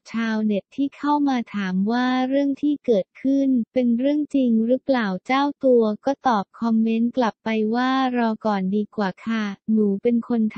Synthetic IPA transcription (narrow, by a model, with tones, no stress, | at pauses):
t͡ɕʰaː˧wne˨˩t̪ʰːiː˥˩kʰa˥˩wmaː˧t̪ʰaː˩˦mwaː˥˩ɾɯ˥˩əŋt̪ʰiː˥˩kɤː˨˩t̪̚kʰɯ˥˩npe˧nɾɯ˥˩əŋt͡ɕi˧ŋɾɯ˦˥plaː˨˩wt͡ɕaː˥˩wt̪u˧ɐkɔː˥˩t̪ɔː˨˩p̚kʰɔ˧mːe˦˥nkla˨˩pːa˧jwaː˥˩ɾɔː˧kɔː˨˩ndiː˧kwaː˨˩kʰa˥˩nuː˩˦pe˧nkʰo˧nt̪ʰ